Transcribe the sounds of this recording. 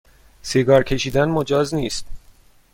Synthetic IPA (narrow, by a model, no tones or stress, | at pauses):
seɡɒːɾcʰe̞ʃiːd̪ænmo̞d͡ʒɒːzniːst̪